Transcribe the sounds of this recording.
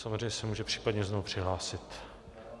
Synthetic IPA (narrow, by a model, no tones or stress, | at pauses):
samozrejɲɛsɛmuːʒɛpr̝̥iːpadɲɛznoupr̥ɪɦlaːsɪt̪